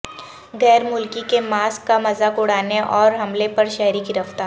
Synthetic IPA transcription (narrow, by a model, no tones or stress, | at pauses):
ɣɛːɾmʊlkikemaːskːamɐzakʊɽaːneʔɔːɾɦɐmlepɐɾʃɛːɾikiɾɐft̪aːɾɾ